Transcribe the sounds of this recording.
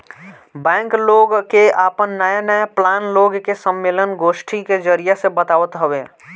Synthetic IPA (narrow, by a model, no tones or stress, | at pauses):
bɛ̃ːŋkloːɡkeaːpənːəjanəjaplaːnloːɡkesəmːeːlənɡoːʃʈʰiked͡ʒəɾijasebət̪aːʋət̪ɦəʋeː